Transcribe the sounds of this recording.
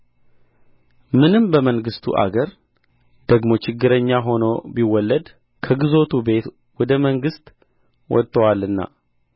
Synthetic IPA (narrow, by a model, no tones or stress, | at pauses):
mɨnɨmbəməŋɡɨst̪ʰṵʔa̰ɡəɾ | d̪̥əɡmo̞t͡ʃɪɡːɨɾəɲːaɦo̞no̞̰biwɔlːəd̪ | kʰəɡɨzo̞t̪ʰube̞t̪ | wɔd̪əməŋɡɨst̪ | wɔ̰t̪ʼːəwalːɨnːa̰